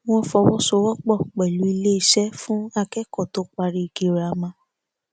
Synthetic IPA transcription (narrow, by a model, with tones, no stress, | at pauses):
w̃ɔ̃˦fɔ˧wɔ˦so˧˦wɔ˦k͡pɔ˦˨k͡pɛ˨lu˨˦i˧le˦i˦˨ʃɛ˦fũ˦a˧kɛ˦kɔ˦˨to˨˦k͡pa˧ɾi˧i˧˨ɡe˧˨ɾa˧mã˧˦